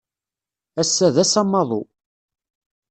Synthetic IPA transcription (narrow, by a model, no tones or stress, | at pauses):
æsːæðæsɑmːɑðˤo̰